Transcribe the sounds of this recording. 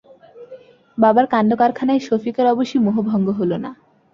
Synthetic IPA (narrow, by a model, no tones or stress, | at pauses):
babaɾkanɖokaɾkʰanaeʃofikaɾɔboʃijmoɦobʱɔŋɡoɦolona